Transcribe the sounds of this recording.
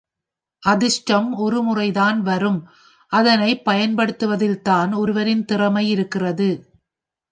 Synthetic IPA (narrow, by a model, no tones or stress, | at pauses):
ʔɐðɪʂʈɐmɔɾɯmʊrɐɪðaːnʋɐrɯm | ʔɐðɐnɐɪpːɐjɐnpɐɽɯt̪ːɯʋɐðɪlt̪aːnɔɾɯʋɐɾɪnt̪ɪrɐmɐɪɪɾɯkːɪrɐðɯ